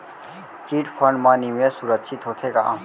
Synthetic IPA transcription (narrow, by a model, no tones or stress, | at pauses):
kiːʈpʰəɳmaːnimẽsuɾəkʃʰɪt̪ɦot̪ʰeɡa̰ʔ